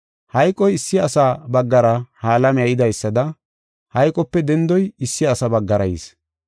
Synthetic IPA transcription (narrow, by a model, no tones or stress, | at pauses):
hɐjkʼɔjɪsːɪɐsaːbɐɡːɐɾɐhaːlɐmɛjɐjɪd̪ɐjsːɐd̪ɐ | hɐjkʼɔpːɛd̪ɛnd̪ɔjɪsːɪɐsɐbɐɡːɐɾɐjḭs